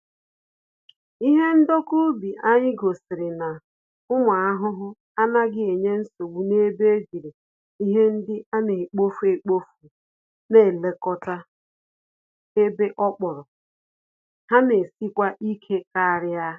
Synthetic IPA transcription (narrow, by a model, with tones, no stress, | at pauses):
i˦ɦe˦n̩˦do˦ku˦bi˨ʔa˦ɲɪ˦ɡo˨sɪ˨ɾɪ˨na˨ | ʊ˦ma˨a˦ɦʊ˦ɦʊ˦ | a˦na˦ɡɪ˦e˨ɲe˦n̩˦so˨ɡ͡bu˨ne˦be˦d͡ʒi˨ɾe˨ | i˦ɦe˦n̩˦dɪ˦a˦ne˨k͡po˦fu˦e˨k͡po˦fu˨ | ne˦˨le˨kɔ˦ta˦ | e˦be˦ʔɔ˦k͡pɔ˨ɾɔ˨ | ha˦ne˨si˦kʷa˦ʔi˦kʰe˦ka˦a˨ɾɪ˦a˦